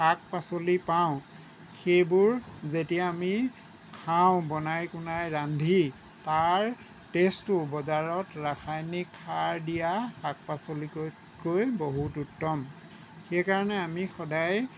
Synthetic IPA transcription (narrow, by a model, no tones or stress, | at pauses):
xak̚pasolipaʊ̃ | xejbʊɹzetijaːmi | kʰaʊ̃bɔnajkʊnajɹandʱi | taɹ | testʊbɔzaɹɔtɹaxʰajnikʰːaɹdijaxak̚pasolik | kojboɦututːɔm | xejkaɹɔnɛamixɔdaj